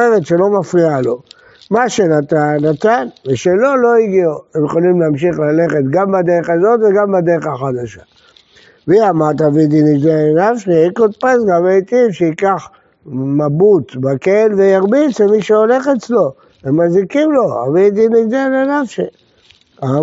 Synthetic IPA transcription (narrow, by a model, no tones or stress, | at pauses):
eʁet̪ʃelo̞mafʁialo̞ | maʃenat̪anːat̪anveʃelo̞lo̞iɡioemjeχolimleamʃiχlale̞χe̞t̪ɡambad̪eʁeχazo̞t̪veɡambad̪eʁeχaχad̪aʃa | viamat̪avid̪iniɡdelenafʃiikot̪̚pasɡamet̪ivʃeikaχ | mabutbakelvejaʁbit͡semiʃeole̞χet͡slo̞ | emːazikimlo̞a̰vid̪iniɡdelenafʃe | a